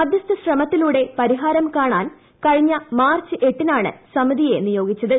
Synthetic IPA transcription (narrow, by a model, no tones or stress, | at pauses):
ɐd̪jɐst̪ɐɕrɐmɐt̪ːiluːɽe̞pɐɾiɦaːɾɐmkaːɳaːn | kɐɻiɲːɐmaːrt͡ɕɨʔe̞ʈːinaːɳɨ̰sɐmiðije̞nijo̞ːɡit͡ɕːɐðɨ